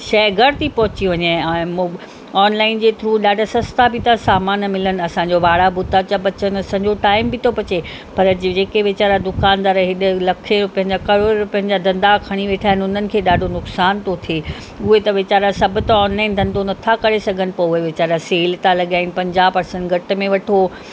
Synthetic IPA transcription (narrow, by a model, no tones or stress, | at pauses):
ʃɛːɡəɽt̪ʰipɐɦʊt͡ɕiʋɐɲãm | ɔːnlaːɪnd͡ʑeːt̪ʰɾuːɗaːɖʱsɐst̪ʰabɪt̪asaːmaːnmɪlənɪ̆ɐsãɲ̆d͡ʑoʋaːɽabʊd̪ʱat͡ɕabɐt͡ɕənɪ̆ɐsãːɲ̆d͡ʑoʈaːɪmbʱɪt̪ʰobɐt͡ɕe | pɐɾd͡ʑeːkeʋɪt͡ɕaːɾad̪ʊkaːnd̪aːɾɦɪɗɪlɐkʰepɐ̃ɦɪ̃ɲd͡ʑakɐɾoːɾʊpɐ̃ɦɪ̃ɲd͡ʑad̪ɐ̃nd̪akʰɐɽ̃iʋeːʈʰaːɦɪnʊnənɪ̆kʰeːɗaːɖʱonʊksaːnt̪ʰot̪ʰie | ʊɦet̪ɐʋɪt͡ɕaːɾasɐbʱʊ̆t̪ɐɔːnlaːɪnd̪ʱɐ̃nd̪onɐt̪ʰakɐɾesɐɡʱənɪ̆poeʋɪt͡ɕaːɾaseːlt̪ãlɐɠaːɪnɪ̆pɐ̃ɲd͡ʑaːpɐɾsə̃ɳʈɡʱɐʈ̆mẽʋɐʈʰo